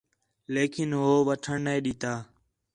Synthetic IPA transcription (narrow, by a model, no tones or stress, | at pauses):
leːkʰɪnɦoːʋəʈʰəɳnẽːɗiːt̪aː